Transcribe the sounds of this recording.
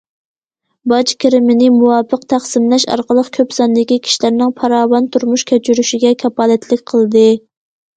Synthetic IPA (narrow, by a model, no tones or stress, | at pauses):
bɑt͡ʃkʲʰiɾɪmɪnɪmuwɑːpəqt̪ʰæχsɪmlɛʃɑ̰ɾqəlˠəqkʲʰøpsɑnd̪ɪkʲikʲʰi̥ʃilæɾnɪŋpʰɑɾɑːwɑnt̪ʰuɾmuʃkʲʰæt͡ʃʰyɾyʃiɡʲɛkʲʰɑpɑːlɛt̪ʰlɪkʲqʰəlˠd̪ɨ